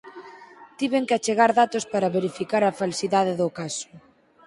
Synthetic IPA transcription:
t̪iβeŋkɪat͡ʃeɣaɾðat̪ospaɾaβeɾifikaɾafalsiðaðeðʊkasʊ̥

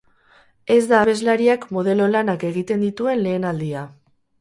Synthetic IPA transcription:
e̞zd̪aːβe̞zlaɾiakmo̞ðe̞lo̞lanake̞ɣ̞it̪e̞nd̪it̪ue̞nle̞ːnald̪ia

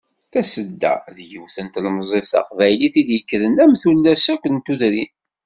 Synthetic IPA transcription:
θæsəd̪ːæ̰ðjəwθənt̪lmzˤeθɑ̰qvæjliθiðjəkːɾənæmθulːæsækʷənt̪uðɾin

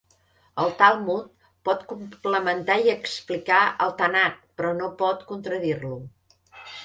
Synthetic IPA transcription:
əlˠt̪alˠmut̪̚ | pɔt̪kumpləmənt̪aiəksplikaʔəlˠt̪ənat̪̚pɾɔnopɔt̪kunt̪ɾəðirlu

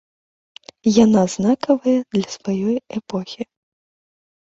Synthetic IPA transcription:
janaznakɐvɐjɐd̪lʲɐsvajɔjɛpɔxʲi

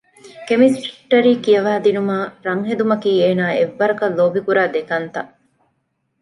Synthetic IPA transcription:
kemisʈe̥ʈːɐɾiːkijɐʋaːd̪inumaːɾɐŋɦed̪umɐkiːeːnaːeʋːɐɾɐkɐlːoːbikuɾaːd̪ekɐnt̪ɐʔ

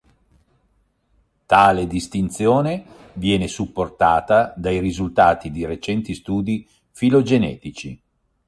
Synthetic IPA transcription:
t̪aːled̪ist̪int̪sjoːne | vjɛːnesupːort̪aːt̪ad̪ajrizult̪aːt̪id̪iɾet͡ʃɛnt̪ist̪uːd̪i | filod͡ʒenɛ̰ːt̪it͡ʃi

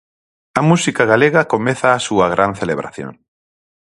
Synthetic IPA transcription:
ɐmusikaɣaleɣɐkomeθaːsuɐɣɾʔanθeleβɾʔa̰θjo̰ŋ

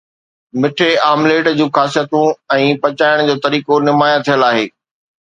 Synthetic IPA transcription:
mɪʈʰeaːmleːʈd͡ʑũːxaːs̬ijət̪ũɛ̃ːpɐt͡ɕaːɪɽ̃d͡ʑoːt̪ɐɾiːkonɪmaːjat̪ʰijəlaːɦeː

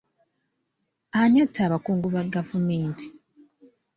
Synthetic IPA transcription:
aɲatʰːaːβakuːŋɡuβaɡavumeːntʰi̥

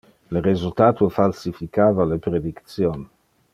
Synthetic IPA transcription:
lrezult̪aːt̪ofalsifikaːvalepɾed̪ikt̪sjon

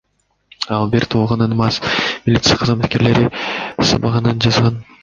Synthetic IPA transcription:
ɑlˠbiɾt̪ʰuːʁɑnɯnmɑsmʲɪlʲit̪sɨjɑqʰɑzmɑt̪̚ke̞ɾle̞ɾisɑ̰bɑʁɑnɯnd͡ʒɑzʁɑn

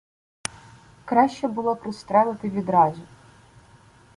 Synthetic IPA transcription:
kɾɑʃʲt͡ʃɛbʊlˠɔpɾɪst̪ɾɛlˠɪt̪ɪʋʲid̪ɾɑzʲi

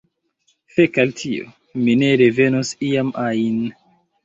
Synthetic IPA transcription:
fekaltʰio̰ | mine̞ɾeve̞nosiamajin

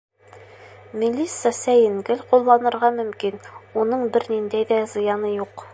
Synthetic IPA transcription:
mʲilʲːisɑsæjɘ̆ŋɡɘlqulˠːɑnɤ̆ɾʁɑmɵ̆mkinunɤɴbɘɾnind̪æjðæzɤ̆jɑnɤjuq

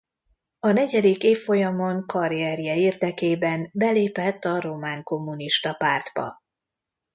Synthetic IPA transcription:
ɒnɛɟɛd̪ikeːfːo̞jɒmo̞ŋkɒɾijɛɾijɛiːrd̪ɛkeːbɛnbɛleːpɛt̪ːɒɾo̞maːŋko̞mːuniʃt̪ɒpaːrd̪bɒ̰

